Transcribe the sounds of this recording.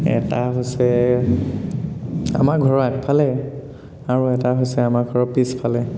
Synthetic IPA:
ɛ̰taɦojsɛ | a̰maɡʱɔɹɔakpʰalɛ | aɹuɛtaɦojsɛamaɡʱɔɹɔpispʰalɛ

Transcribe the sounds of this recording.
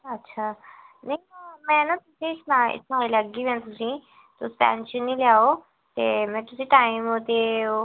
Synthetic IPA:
ɐtːʃʰaːnɐĩmɛ̃ːnat̪ʊsẽɪsmãɪ̰smãiləɡiʋãnt̪ʊsĩ | t̪ʊspɛ̰ːnʃənːĩljaːo | t̪emɛ̃ːt̪ʊsĩʈaːɪmɦot̪e

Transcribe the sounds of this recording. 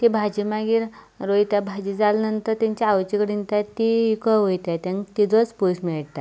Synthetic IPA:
t̪ibʱad͡ʑimaɡiːɾ | ɾojt̪abʱad͡ʑid͡zalnənt̪əɾt̪ãɲt͡ɕaaʋt͡ɕikɽint̪at̪iikəɦojt̪at̪ãŋt̪id͡z̪ət͡spusmiɭʈt̪a

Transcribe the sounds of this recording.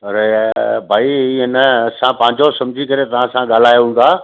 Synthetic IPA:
ɐɾebʱaːiiːɦɪnəɐsãpɐ̃ɦɪ̃ɲd͡ʑosɐ̃md͡ʑʱikɐɾet̪ɐʋ̤ãsãɠaːl̤aːjoɦũːn̆d̪aː

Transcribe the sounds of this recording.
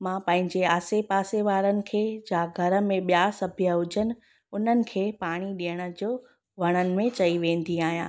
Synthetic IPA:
mãːpɐ̃ɦɪ̃ɲd͡ʑeaːsepaːseʋaːɾənɪ̆kʰeːd͡ʑãːɡʱɐɾə̆mẽɓjasɐbʱijəʊd͡ʑʱənɪ̆ | ʊn̤ənɪ̆kʰeːpaːɽ̃iɗijəɽ̃ə̆d͡ʑoː | ʋɐɽ̃ənɪ̆mẽt͡ɕɐiʋẽːnd̪iaːɦijã̰ː

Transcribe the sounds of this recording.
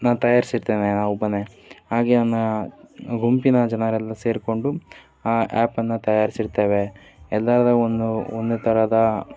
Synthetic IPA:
naːnt̪ɐjaːɾisiɾt̪eːnenaːʋubːɐne | haːɡeːnɐnːɐ | ɡumpinɐd͡ʒɐnɐɾɛlːɐse̞ːɾko̞ɳɖu | aːʔaːpɐnːɐt̪ɐjaːɾisiɾt̪eːʋe̞ | ɛlːaɾɐd̪ɐond̪uond̪ut̪ʰɐɾɐd̪ɐ

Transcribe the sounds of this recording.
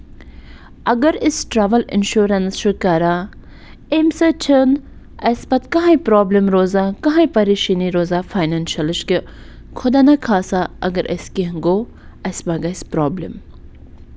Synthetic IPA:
ɐɡɐɾisʈɾaːʋɐlɪ̰nʃuːɾɐnsʃukaːɾa | emsɐt͡ʃʰən | ɐsbɐt̪kɐɦãipɾoːblemɾoːzaːkɐɦãipɐɾiʃiniɾoːzaːfaːjnanʃɐlɪʃki | kʰʊd̪aːnɐkʰaːsaʔɐ̰ɡɐɾʔɐ̰skiɦɐŋɡoː | ɐsbɐɡɐspɾoːblem

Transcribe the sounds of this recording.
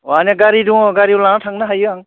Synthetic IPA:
wanaɡaɾiduŋɔɡaɾiwlanatʰaŋnaɦajɯaŋ

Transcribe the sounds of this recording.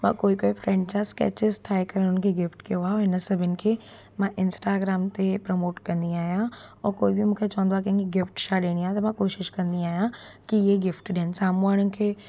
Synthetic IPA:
mã̰ːkoːikoːifɾɛ̃ːɳɖt͡ɕaːskɛ̰ːt͡ɕɪztʰaːɪkɐɾəɽ̃ʊnkʰeːɡɪfʈkijoaːɦeoɦɪnsɐbʱɪnɪ̆kʰeː | mãʔɪ̃nsʈaːɡɾaːmt̪epɾɐmoːʈkɐ̃nd̪iaːɦijãɔːkoːibimũːkʰet͡ɕɐʋə̃nd̪oaːkɐ̃ɦɪ̃ŋkiɡɪfʈʃʰaɗeɽ̃iaːɦt̪ɐmãkoːʃɪʃkɐ̃nd̪iaːɦijãkiɪɦeɡɪfʈɗiɦənɪ̆saːmuaːɽ̃nɪ̆kʰeː

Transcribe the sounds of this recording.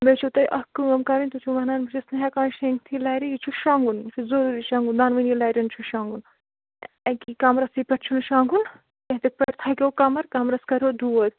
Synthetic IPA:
met͡ʃʰut̪ɐjʔɐkɨɐmkɐɾinʲt̪ut͡ʃʰumɐnaːnbɐt͡ʃʰisnɐɦɛkaːnʃeŋkt̪ʰilaːjɾijit͡ʃʰuʃaːŋɡunt͡ʃʰuzɐɾuːɾiʃaːŋɡund̪aːnʋɐnjilaːjɾɐnt͡ʃʰuʃaŋɡun | ekikamɾɐsipʲɛʈt͡ʃʰunʃaːŋɡun | keɦt̪ɐk̚pʲɛɾt̪ʰaːkʲewkɐmɐɾkamɾɐskɐɾʲod̪uʋɐd̪

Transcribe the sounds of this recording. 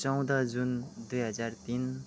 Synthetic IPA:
t͡sʌw̃d̪ʌd͡zund̪ujɦʌd͡zart̪in

